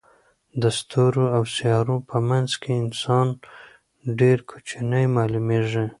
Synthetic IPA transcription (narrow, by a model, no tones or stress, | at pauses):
d̪əst̪ʰuɾoawsijɑɾopʰəmanzkʰeɪnsɑn | ɖeɾkʰo̥t͡ʃinəjmɑlumeʐe